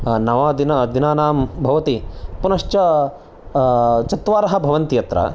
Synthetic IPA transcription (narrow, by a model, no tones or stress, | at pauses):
nɐʋaːd̪inɐd̪inaːnaːmbʱɐʋɐt̪ipunɐʂt͡ʃɐ | t͡ʃɐt̪ʋaːɾɐɦɐbʱɐʋɐnt̪ijɐt̪ɾɐ̰